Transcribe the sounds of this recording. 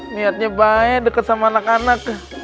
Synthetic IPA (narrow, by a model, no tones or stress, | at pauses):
miat̪̚ɲabaɛdəkət̪̚samaːnakanakːah